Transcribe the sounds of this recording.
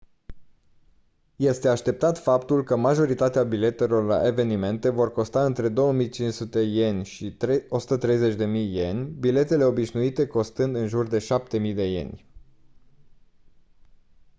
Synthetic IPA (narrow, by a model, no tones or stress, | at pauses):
je̞st̪e̞aʃt̪e̞p̚t̪at̪fapt̪ulkəmaʒo̞ɾit̪at̪eabile̞t̪e̞lo̞rla̰ʔe̞ve̞nime̞nt̪e̞vo̞rko̞st̪aɨnt̪ɾe̞d̪o̞wəmijt͡ʃinʃsut̪e̞je̞nʲʃio̞su̥t̪ət̪ɾe̞jze̞t͡ʃʲd̪e̞mijːe̞nʲbile̞t̪e̞le̞o̞biʃnuit̪e̞ko̞st̪ɨnd̪ɨnʒurd̪e̞ʃap̚t̪e̞mijd̪e̞je̞̰nʲ